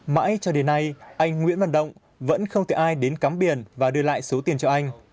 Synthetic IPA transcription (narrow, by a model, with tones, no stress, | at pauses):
ma̰ː˧˥jt͡ɕɔ˧ɗe˨˦nːa˧jʔa˧jŋ̟ŋwḭ˧˥nva̰˧˨˩nɗə̰˧˨wŋ͡m | və̰˧˥nxə˧wŋ͡mt̪ʰe˨˩ʔaː˧jɗe˨˦nkaː˨˦mɓi˨˩ənvaː˨˩ɗɨ˧əla̰ː˧˨jso˨˦t̪i˨˩ənt͡ɕɔ˧ʔa˧jŋ̟